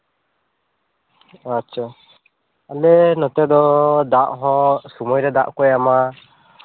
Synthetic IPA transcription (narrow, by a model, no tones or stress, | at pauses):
att͡ʃʰa | alɛnɔt̪ɛd̪ɔd̪aʔɦɔ̃sɔmɔjɾɛd̪aʔkɔjama